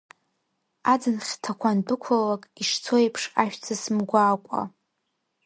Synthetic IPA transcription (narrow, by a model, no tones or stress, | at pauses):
ad͡zɨnχʲtʰakʷʰandɨkʷʰʊllakʼiʂt͡sʰo̞epʰʂaʃᶣt͡sʰasɨmɡʷaːkʷʼa̰